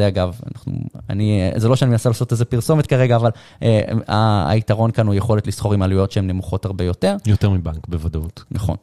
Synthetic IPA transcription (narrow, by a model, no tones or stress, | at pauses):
zeaɡava̰naχnṵa̰nizelo̞ʃeaninasalaːso̞tezepiʁso̞met̪kaʁeɡaːval | ea̰itaʁo̞nkanujeχo̞letlisχo̞ʁimalujo̞tʃeemnemuχo̞thaʁbe̞jo̞te̞ʁjoteʁmibaŋkbevadot̪naχo̞̰n